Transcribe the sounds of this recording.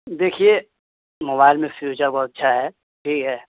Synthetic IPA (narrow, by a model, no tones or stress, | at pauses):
d̪eːkʰie | moːbaːɪlmẽfjuːt͡ʃəɾbɔɦʊt̪ɐtːʃʰaɦɛː | ʈʰiːkɦɛː